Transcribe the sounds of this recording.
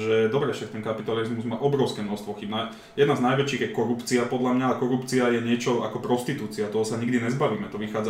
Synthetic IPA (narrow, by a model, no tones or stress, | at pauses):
ʒɛd̪ɔbɾɛfʃakt̪ɛnkapit̪alizmuzmaːʔɔbɾɔʊskɛːmnɔst̪ʋɔxibna | jɛd̪naznajʋɛt͡ʃiːɣjɛkɔɾupt͡siapɔd̪lamɲaakɔɾupt͡siajɛɲɪɛt͡ʃɔa̰kɔpɾɔst̪it̪uːt͡siat̪ɔɦɔsaɲiɡd̪iɲɛzbaʋiːmɛt̪ɔʋixaːd͡za